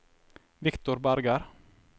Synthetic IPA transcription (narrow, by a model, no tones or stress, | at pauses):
ʋɪkt̪ʊɾbæɾɡɑɾ